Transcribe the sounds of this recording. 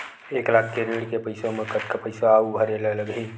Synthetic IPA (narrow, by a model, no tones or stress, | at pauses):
eːklaːkʰkeɾeːɽkepɐɪsomẽkət̪kapəɪsaːubʱɐɾelelɐɡɦĩː